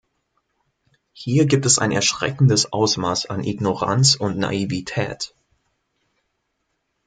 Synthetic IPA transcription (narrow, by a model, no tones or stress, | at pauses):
hiːɐɡiːp̚tɛsa̰ɪnɛɐʃʁ̥ɛ̰kn̩dəsʔaʊsmaːsanʔɪɡnoʁa̰nt͡sʊntna̰ivitʰɛ̰ːt